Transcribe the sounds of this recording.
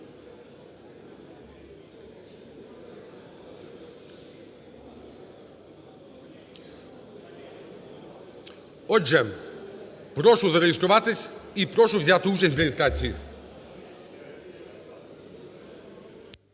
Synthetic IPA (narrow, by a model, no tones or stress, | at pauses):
ɔʒɛ | pɾɔʃʊzɐɾejɪst̪ɾʊʋat̪ɪsʲipɾɔʃʊʋzʲat̪ɪut͡ʃɐsʲt̪ʲɾejʲɪst̪ɾat͡sʲiji